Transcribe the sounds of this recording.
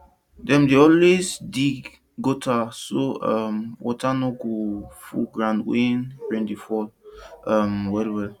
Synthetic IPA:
dɛmdeɔlwesdi | ɡotasoamwʔɔ̰tanɔɡofṵɡɾãndwenbɾĩŋdifɔlamwɛlwɛl

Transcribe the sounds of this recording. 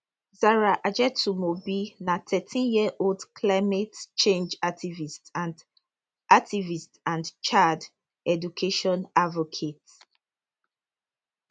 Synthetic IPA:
zaɹaʔad͡ʒɛtumobinatʰɛtʰĩnjiɛʔoldkʰlaɪmɛtt͡ʃẽnd͡ʒak̚tʰivistãnd | ʔak̚tivistãndt͡ʃad | ɛdukʰeʃɔ̃navokʰet

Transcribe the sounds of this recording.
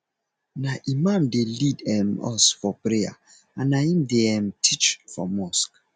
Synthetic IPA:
naʔimãmdelidɛmɔ̰sfɔpɾeja̰ | ãnaĩmdeɛmtʰit͡ʃfɔ̰mɔsk

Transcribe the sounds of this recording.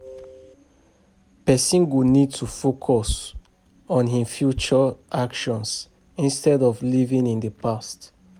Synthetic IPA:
pɛsĩnɡunid̚tʰufokʰɔs | ɔ̃nɦĩfjut͡ʃɔʔakʃɔ̃ns | ĩnstɛdɔvlivĩnĩndəpast

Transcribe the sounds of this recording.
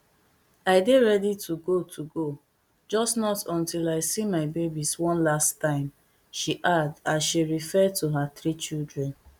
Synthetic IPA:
aɪdeɹɛditʰuɡotʰuɡo | d͡ʒɔsnɔtɔ̃ntilaɪsimaɪbebiswɔ̃nlastãɪ̃m | ʃiʔadasʃiɹifɛd̚tʰuɦaθɹit͡ʃildɹɛ̃n

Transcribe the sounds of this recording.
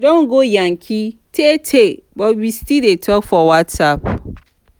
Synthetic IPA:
dõŋ̩ɡojãŋkʰitʰetʰebɔbistʰidetʰɔkfɔwatsap

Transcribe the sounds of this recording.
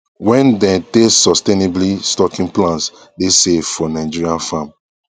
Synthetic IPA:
wɛ̃ndɛ̃tesɔsteneblistɔkĩŋplãns | desevfɔnaɪd͡ʒiɹiãnfãm

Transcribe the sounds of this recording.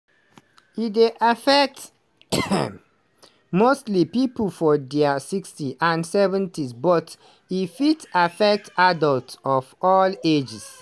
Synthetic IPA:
ideʔafɛk̚t | mostlipipəlfɔdɛasikstiʔãnsɛvə̃ntisbɔt | ifitafɛk̚tadɔltɔfɔled͡ʒɛs

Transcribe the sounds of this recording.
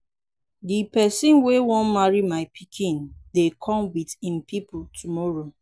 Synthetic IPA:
dipɛsĩnwewɔ̃nmaɹimaɪpʰikʰĩndekʰɔ̃mwitĩmpipultʰumɔɹo

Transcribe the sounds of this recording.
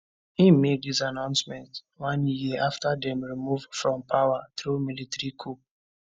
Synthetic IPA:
ĩnmek̚disanãʊ̃nsmɛ̃nt | wãnjiʔaftadɛ̃mɹimuvdfɹɔ̃mpʰawatɹumilitɛɹikʰup̚

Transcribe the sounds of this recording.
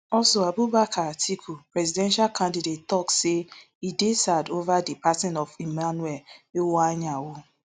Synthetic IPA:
ɔlsoabubakʰatʰikʰupɾɛzidɛ̃nʃalkʰãndidettɔkse | idesadovadipatɛnɔvimanuɛlewaɲawʊ

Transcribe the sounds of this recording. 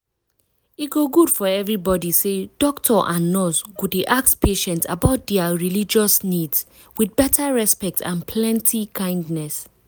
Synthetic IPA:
iɡoɡud̥fɔɛvɹibɔdised̥ɔktʰɔʔãnːɔsɡudeʔakspʰeʃɛ̃nta̰baʊt̚dɛaɹilid͡ʒɔsnids | wiθbɛtʰaɹɛspɛk̚tʰã̰npʰlɛ̃ntʰikʰãɪ̃ndnɛs

